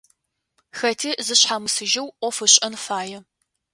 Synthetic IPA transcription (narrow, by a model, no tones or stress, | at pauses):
xɐtʰiːzɨɕħaːmɨsɨʒɐwʔʷɔfɨɕʼɐnfaːjɛ